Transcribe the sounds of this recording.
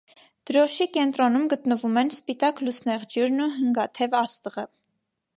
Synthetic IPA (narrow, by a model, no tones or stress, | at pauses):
d̪̥əɾɔʃikɛnt̪ɾɔnumɡət̪nəvumɛnspit̪ɑklusnɛʁd͡ʒjuɾnuɦəŋɡɑt̪ʰɛvɑst̪əʁə